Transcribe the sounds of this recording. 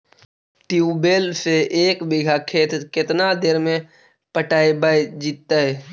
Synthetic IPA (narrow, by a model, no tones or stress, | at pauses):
ʈiubeːlseeːkbɪɡʱakʰeːt̪kɪt̪nad̪eɾmẽ | pəʈaːebaːjd͡ʒiːt̪ːaɦɛː